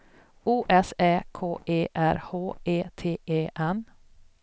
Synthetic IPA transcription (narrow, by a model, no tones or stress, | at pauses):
uːʔɛsɛːkʰoːʔeːʔæ̰ɾhoːeːt̪ʰeːʔeːʔɛn